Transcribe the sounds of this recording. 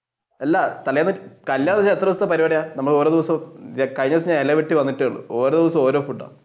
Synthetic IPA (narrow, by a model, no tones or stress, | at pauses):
ɐlːat̪ɐlɐjaːnːɨkɐljaːɳɐnɐɲːaet̪rɐʋɐst̪ɐpɐɾiʋɐɽɐjaːnɐmːɐɭo̞ːɾoːd̪iʋɐsɐmkɐjɲɐs̬ɲaːnelːɐʋiʈːiʋɐnːiʈːejuɭːṵoːɾoːd̪iʋɐs̬ɐmo̞ːɾoːfuɖa̰ː